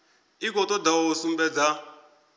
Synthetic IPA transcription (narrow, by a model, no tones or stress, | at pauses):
ikɔt̪ɔdaɔɔsumbɛd͡za